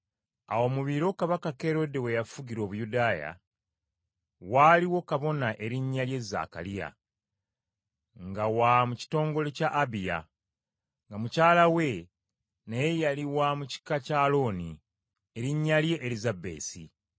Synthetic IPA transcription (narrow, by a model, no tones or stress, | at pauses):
awo̞muβiɾo̞kaβakake̞ɾo̞de̞we̞jafuɡiɾo̞ːβujudaːja̰ | waliwo̞kaβo̞naʔe̞ɾiɲːalje̞zːa̰ːka̰lija̰ | ŋɡawamuci̥to̞ːŋɡo̞le̞caʔːbija̰ | ŋɡamucaːlawe̞ | nejejaliwamuci̥kacaːlo̞ni | e̞ɾiɲːalje̞ʔːlizabe̞̰ːsḭ